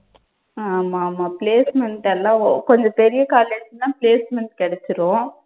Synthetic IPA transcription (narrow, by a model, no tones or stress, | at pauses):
aːmaːmaːpleːsmɛɳʈɛlːãːkɔɲd͡ʒɔ̃pɛɾɪjɐkaːleːd͡ʒnãːpɪleːsmɛɳʈkɪɽɛt͡ʃːɪɾʊ̃ː